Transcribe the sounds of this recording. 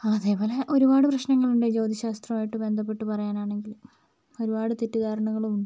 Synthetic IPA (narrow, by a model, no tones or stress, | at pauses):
ɐðe̞ːpo̞ːleʔo̞ɾubaːɽɨprɐɕnɐŋːɐɭuɳɖe̞d͡ʑo̞wd̪ɐɕaːst̪rɐmaːjiʈːɨbe̞nd̪ʱɐpːe̞ʈːɨpɐrɐjaːnaːɳe̞ŋɡil | o̞ɾubaːɽɨt̪itːud̪aːɾɐɳɐŋːɐɭumuɳɖɨ